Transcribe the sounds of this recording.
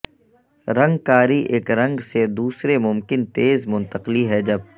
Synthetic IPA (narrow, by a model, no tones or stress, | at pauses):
ɾɐ̃ŋɡkaːɾiʔeːkɾɐ̃ŋɡsed̪uːsɾemʊmkɪnt̪eːzmʊ̃nt̪əqliɦɛd͡ʒɐb̚